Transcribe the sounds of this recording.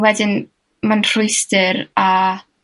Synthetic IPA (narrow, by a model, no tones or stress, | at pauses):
wɛdɪn | manr̥ʊjstɪɾa